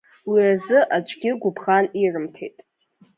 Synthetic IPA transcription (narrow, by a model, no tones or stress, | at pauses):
wiazɨʔad͡ʒʷʰʼɡʲɪɡʷʊpʰχanirɨmtʰḛjtʼ